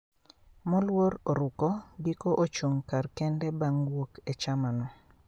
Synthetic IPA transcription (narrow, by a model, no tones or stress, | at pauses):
mɔlwoɾoɾʊkɔɡikoʔot͡ʃoŋkarkɛndɛbaŋwokɛt͡ʃamanɔ